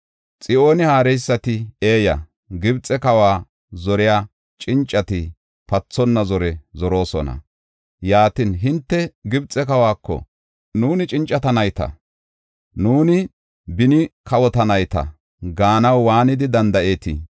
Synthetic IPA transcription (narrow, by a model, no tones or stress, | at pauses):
t͡sʼɪʔo̞ːnɪhaːɾɛjsːɐt̪ɪeːjɐ̰ | ɡɪbt͡sʼɛkɐwaː | zɔɾɪjaː | t͡ʃʼɪnt͡ʃʼːɐt̪ɪ | pɐt͡sːɔnːɐzɔɾɛzɔɾo̞ːsɔ̰nɐ̰ | jaːt̪ɪnɦɪnt̪ːɛɡɪbt͡sʼɛkɐwaːkːɔ̰ | nuːnɪt͡ʃʼɪnt͡ʃʼːɐt̪ɐnɐjt̪ɐ̰ | nuːnɪ | bɪnɪkʰɐwɔt̪ɐnɐjt̪ɐ̰ | ɡaːnɐwːaːnɪd̪ɪd̪ɐnd̪ɐʔe̞ːt̪ɪ̰